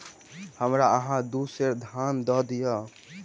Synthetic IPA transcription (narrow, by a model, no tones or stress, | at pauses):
həmɾaəɦãd̪useɾd̪ʱjand̪ɔd̪ijɔ